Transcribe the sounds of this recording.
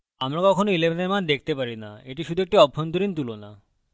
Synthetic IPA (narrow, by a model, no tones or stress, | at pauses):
amɾakɔkʰonoilebeneɾmand̪ek̚ʰt̪epaɾina̰eʈiʃud̪ʱuek̚ʈiɔbʱːont̪oɾint̪ulona